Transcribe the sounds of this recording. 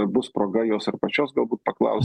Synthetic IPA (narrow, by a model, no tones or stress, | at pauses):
bʊspɾoːɡɐjoːsɪrpɐt͡ʃʲoːsɡɐlˠbuːt̪̚pɐklˠɐ̰ʊsʲ